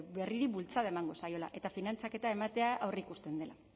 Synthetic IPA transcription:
be̞riɾibult͡saðaemaŋɡo̞sajo̞la̰ʔe̞t̪afinant͡sake̞t̪ae̞mat̪e̞aʔawrikust̪e̞nd̪e̞la

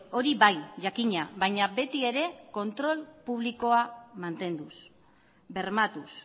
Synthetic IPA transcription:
o̞ɾiβajʝakiɲaβajɲabe̞t̪ie̞ɾe̞ko̞nt̪ɾo̞lpuβ̞liko̞amant̪e̞nd̪us | be̞rmat̪us

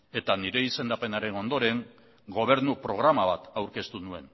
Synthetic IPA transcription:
e̞t̪aniɾe̞ise̞nd̪ape̞naɾe̞no̞nd̪o̞ɾe̞ŋ | ɡo̞β̞e̞ɾnupɾo̞ɣ̞ɾamaβat̪awɾke̞st̪unue̞̰n

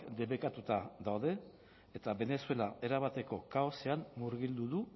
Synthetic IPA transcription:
d̪e̞βekat̪ut̪aðawð̞e̞ː | t̪aβe̞ne̞sue̞lae̞ɾaβat̪e̞ko̞kaose̞ammuɾɣild̪uðu

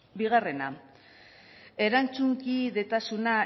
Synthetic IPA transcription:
biɣ̞are̞na | e̞ɾant͡suŋkiðe̞t̪asuna

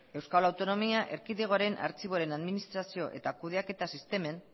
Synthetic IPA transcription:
e̞wskalawt̪o̞no̞miaʔe̞ɾkiðeɣ̞o̞aɾe̞nʔa̰ɾt͡siβoɾe̞naðminist̪ɾasio̞ʔe̞̰t̪akuð̞e̞ake̞t̪asist̪e̞me̞n

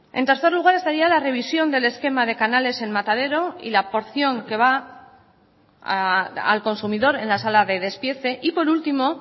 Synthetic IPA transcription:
e̞nt̪e̞ɾθe̞ɾluɣ̞aɾe̞st̪aɾialare̞β̞isjo̞nd̪e̞le̞ske̞mað̞e̞kanale̞se̞nmat̪að̞e̞ɾo̞ḭlapo̞ɾθjo̞ŋke̞β̞a | a̰lko̞nsumiðo̞ɾe̞nlasalaðe̞ð̞e̞spje̞θe̞ʔipo̞ɾult̪imo̞

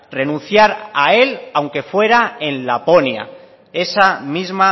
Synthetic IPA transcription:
re̞nũn̟θjaɾae̞lawŋke̞fwe̞ɾae̞nlapo̞nja̰ | e̞samizma

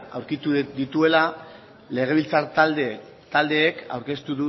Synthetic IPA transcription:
a̰wɾkit̪ud̪it̪ue̞la | le̞ɣ̞e̞β̞ilt͡saɾt̪ald̪e | t̪ald̪e̞ːka̰wɾke̞st̪uðu

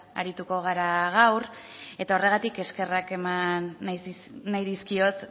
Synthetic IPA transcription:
a̰ɾit̪uko̞ɣ̞aɾaɣ̞awr | e̞t̪ao̞re̞ɣ̞at̪ike̞ske̞rake̞manː | ajðiskio̞t̪

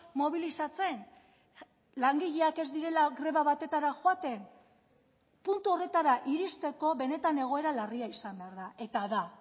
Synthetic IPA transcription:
mo̞β̞ilisat͡se̞n | laŋɡiʎeake̞zd̪iɾe̞laɣɾe̞βaβat̪e̞t̪aɾaxoat̪e̞n | punt̪uo̞re̞t̪aɾaʔiɾist̪e̞ko̞βe̞ne̞t̪ane̞ɣ̞o̞e̞ɾalariaisambeaɾðae̞t̪aða

